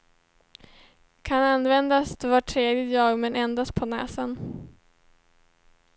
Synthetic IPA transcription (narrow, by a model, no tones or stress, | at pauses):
kʰananːvɛnd̪asd̪ɛvaʈʰːɾeːd̪ɪjɑːɡmɛnɛnd̪ast̪̚pʰɔnɛ̰ːsən